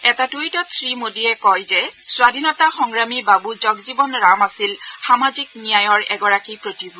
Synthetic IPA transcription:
ɛtatujtɔtʰɹimodijɛkɔjzɛswadʱinɔtaxɔŋɹamibabuzɔɡzibɔnɹamasilxamaziknijajɔɹɛɡɔɹakipɹotibʱu

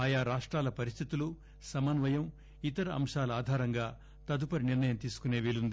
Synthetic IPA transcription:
aːjaːɾaːʂʈɾaːlɐpɐɾist̪ʰit̪ulu | sɐmɐnʋɐjɐm | it̪ɐɾɐɐ̰mʂaːlɐaːd̪ʱaːɾɐŋɡaː | t̪ɐd̪upɐɾiniɾnɐjɐmt̪iːsu̥kune̞ːʋiːlund̪i

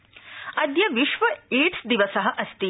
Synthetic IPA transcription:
ɐd̪jɐʋiʃʋɐiːʈsd̪iʋɐsɐɦɐʔɐst̪i

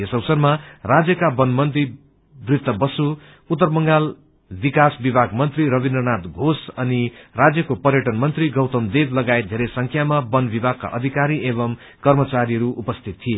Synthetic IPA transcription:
esʌwsʌrmarad͡zjʌkabʌnmʌnt̪i | brit̪ːʌbʌsu | ut̪ːʌrbʌŋɡal | bikasbibʱaɡmʌnt̪riɾʌbindrʌnat̪ɡʱosʌnirad͡zjʌkopʌɾjʌʈʌnmʌnt̪riɡʌwt̪ʌmd̪eblʌɡaet̪̚d̪ʱeɾʌjsʌŋkʰjamabʌnbibʱaɡ̚ka̰ʔʌd̪ʱikaɾiʔeβʌm | kʌrmʌt͡saɾiʌɾuʔupʌst̪ʰit̪ːʰije

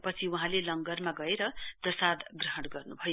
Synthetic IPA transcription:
pʌt͡sʰiuɦãlelʌŋɡʌrmaɡʌeɾʌprʌsad̪ɡrʌɦʌɽ̃ɡʌrnubʱʌj

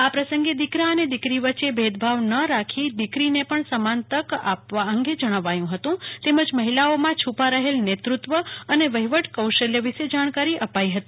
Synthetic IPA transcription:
apɾəsəŋɡed̪ikɾaəned̪ikɾiʋət͡ʃʃebʱed̪̚bʱaʋnəɾakʰid̪ikɾinepəɳsəmant̪əka̰pʋaəŋɡed͡ʒəɽ̃əʋajũɦət̪ũt̪eməd͡ʒməɦilaomãt͡ʃʰupaɾəɦelnet̪ɾut̪ʋəəneʋəɦiʋəʈkəwʃəljəʋiʃed͡ʒaɽ̃kaɾiʔəpaiɦət̪i

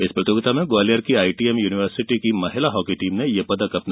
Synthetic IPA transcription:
ɪspɾɐt̪joːɡɪt̪amẽɡaːlijəɾkiaːiʈiːemjuːnɪʋəɾsɪʈikimɐɦɪlaɦɔːkiʈiːmnẽjepɐd̪əkɐpn

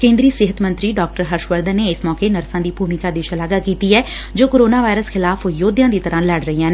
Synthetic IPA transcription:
kẽːnd̪ɾiːsɪɦət̪mə̃nt̪ɾiɖɔːk̚ʈəɾɦɐɾʃʋəɾd̪ʱəneɪsmɔːkenɐɾsãːd̪iːbʱuːmikad̪eːʃɐlaːɡakiːt̪iɦɛː | d͡ʒoːkoːɾoːnaːʋaːɪɾəsxɪlaːfjoːd̪jãːd̪it̪ɐɾãːləɽɾəɦijãː

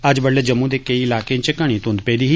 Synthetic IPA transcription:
əd͡ʒbəɽleːd͡ʒəmːũːd̪eːkəiɪlaːkẽt͡ʃəkəɽ̃ĩːt̪ʊ̃nd̪peːd̪iːɦiː

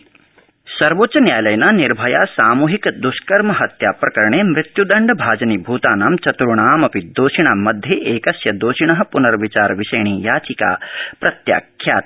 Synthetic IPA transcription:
sɐɾʋoːtt͡ʃɐnjaːjlɐjɐnaːniɾbʱɐjaːsaːmuːɦikd̪uʃkɐɾmɐɦɐt̪jaːpɾɐkɐɾɐɳeːmɾɪt̪jud̪ɐɳɖɐbʱaːd͡ʒɐnibʱuːt̪aːnaːmt͡ʃɐt̪ɾuɳaːmɐpid̪oːʃiɳ̃aːmɐd̪ʱjeʔeːkɐsjɐd̪oːʃiɳɐɦɐ̆punɐɾʋit͡ʃaːɾʋiʃɐjɳijaːt͡ʃika̰ːpɾɐt̪ja̰ːkʰja̰ːt̪

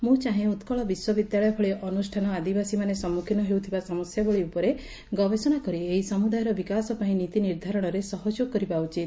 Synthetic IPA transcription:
mũt͡ʃaɦẽut̪kɔɭɔbiswɔbid̪jaɭɔjɔpʰɔɭeʔɔnusʈʰanɔad̪ibasimanesɔmːukʰinɔɦewt̪ʰibasɔmɔsjabɔɭiupɔɾe | ɡɔbesɔnakɔɾieɦisɔmud̪ajɔɾɔbikasɔpaĩnit̪iniɾd̪ʱaɾɔɽ̃ɔɾesɔɦɔd͡ʒoɡ̚kːɔɾibaut͡ʃit̪

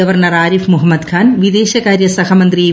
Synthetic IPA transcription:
ɐʋɐɾɳɐɾaːɾifmuɦɐmːɐd̪kʰaːnʋid̪eːʃɐkaːɾjɐsɐɦɐmɐnt̪ɾi

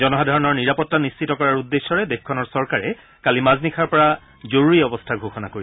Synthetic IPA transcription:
zɔnɔɦadʱaɹɔnɔɹniɹapɔtːanist͡ʃitɔkɔɹaɹudːesːɔɹɛdekʰkʰɔnɔɹsɔɹkaɹɛ | kalimaznikʰaɹpɔɹa | zoɹuɹiɔbɔstʰaɡʱoxɔnakoɹi

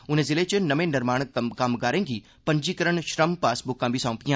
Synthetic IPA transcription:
ʊn̤ẽzɪlet͡ʃenɐmẽnɪɾmaːɽ̃kaːmɡaːɾẽːɡi | pɐ̃ɲd͡ʒikəɾəɳʃɾəmpaːsbʊkːãːbʱisãːpijã

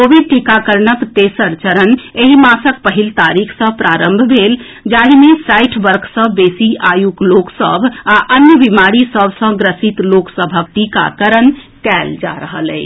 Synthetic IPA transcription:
kobiɖ̚ʈikakəɾnəkt̪esəɾt͡ʃəɾəneɦimasəkpəɦilt̪aɾikʰsə̃pɾʔaɾəmbʱbʱel | d͡ʒaɦimesaɪʈʰbəɾkʰsə̃besiajukloksə̰bʱaʔənjəbimaɽisəbʱsə̃ɡɾəsit̪loksəbʱəkʈika̰kəɾən | kɛld͡ʒa̰ɾəɦəlɛ̰ɪt͡ʃ

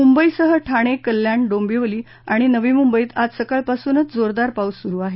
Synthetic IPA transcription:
mumbəisəɦəʈʰaɽ̃ekəlːjaɳɖombiʋəliː | aɽ̃inəʋiːmumbəiːt̪ad͡zsəkəɭpasuːnət͡sd͡zoɾd̪aɾpausuɾuːaɦe

